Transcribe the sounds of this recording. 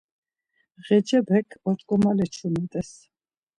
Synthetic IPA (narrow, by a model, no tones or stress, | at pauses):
ʁɛd͡ʒɛbɛkʰɔt̪ʼkʼɔmalɛt͡ʃʰumɛt̪ʼɛs